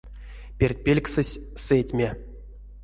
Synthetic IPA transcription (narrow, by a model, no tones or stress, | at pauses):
pʲerʲt̚ʲpʲelʲksɨsʲsetʲmʲe